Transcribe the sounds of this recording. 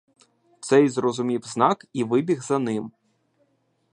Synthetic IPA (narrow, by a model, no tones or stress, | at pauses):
t̪sɛjzrɔzʊmʲiwznɑkiʋɪbʲiɣzɐnɪm